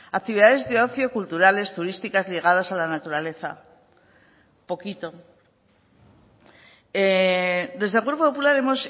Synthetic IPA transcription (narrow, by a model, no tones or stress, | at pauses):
ak̚t̪iβiðaðe̞zðeo̞θjo̞kult̪uɾale̞st̪uɾist̪ikazliɣ̞að̞asalanat̪uɾale̞θa̰ | po̞kit̪o̞ | ed̪e̞zðekweɾpopopulaɾe̞mo̞s